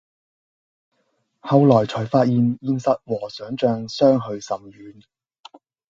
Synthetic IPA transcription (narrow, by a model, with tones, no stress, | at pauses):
hɐ˨˧wlɔː˨˩jt͡ʃʰɔː˨˩jfaː˧t̚jiː˨˧njiː˧nsɐ˨t̚wɔː˨˩sœː˨˥ŋt͡ʃœː˧ŋsœː˥ŋɦɵ˧ɥsɐ˨mjyː˨˥n